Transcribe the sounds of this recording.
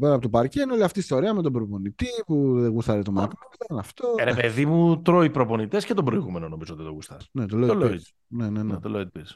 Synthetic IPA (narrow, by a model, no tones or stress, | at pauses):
peɾɐpot̪opaɾcenoliɐft̪iːst̪o̞ɾiɐme̞t̪o̞bɾo̞po̞nit̪ipuðeɣust̪ɐɾe̞t̪o̞mɐt̪ɐitenɐft̪oɾepeðimut̪ɾoipɾo̞po̞nit̪e̞scet̪obɾoiɣumenono̞mizoot̪it̪oɣust̪ɐnet̪oletl | nenenet̪oleot̪ipiɾs